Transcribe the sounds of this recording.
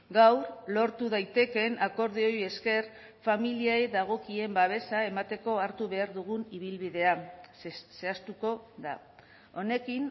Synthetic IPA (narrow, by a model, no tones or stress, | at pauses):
ɡawɾlo̞ɾt̪uð̞ajt̪e̞ke̞nako̞ɾð̞eo̞je̞ske̞r | familiajðaɣ̞o̞kie̞mbaβ̞e̞sae̞mat̪e̞ko̞aɾt̪uβe̞aɾðuɣuniβilβiðe̞a | se̞ast̪uko̞ða̰ | o̞ne̞kin